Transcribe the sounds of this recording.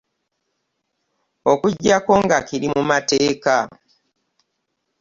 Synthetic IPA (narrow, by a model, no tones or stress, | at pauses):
okuɟːako̞ŋɡakiɾimumateːka